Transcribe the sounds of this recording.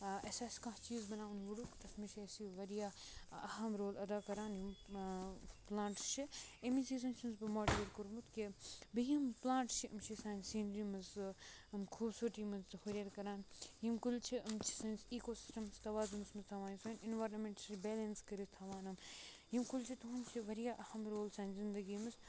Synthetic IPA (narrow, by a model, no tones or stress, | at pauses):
ɐsaːsʲi̥kãht͡ʃiːzbɐnaːunʋuɽukt̪ɐsmiʃeːsiʋɐɾijaːɐɦɐmɾoːlɐd̪aːkɐɾaːnjim | plãːɳʈt͡ʃʰiemisiːs̬ɐnt͡ʃʰinzbɨmoːɖieɾkuɾmut̪kibijimplãːɳʈt͡ʃʰiʔɐmt͡ʃʰisaːnʲsiːnɾimɐzɐmkʰuːbsoːʈiːmɐzɨxoɾʲeɾkɐɾaːnjimkult͡ʃʰiɐmt͡ʃʰi̥sɐnʲsiːkoːsi̥sʈɐmst̪ɐʋaːzumɨsmɨst̪ʰɐʋaːnsoːninʋaɾnmeɳʈibeːlɐnskɐɾist̪ʰɐʋaːnɐm | jimkult͡ʃʰit̪uɦunt͡ʃʰiʋɐɾijaːʔɐhɐmɾoːlsãːnʲzind̪ɐɡiːmɨs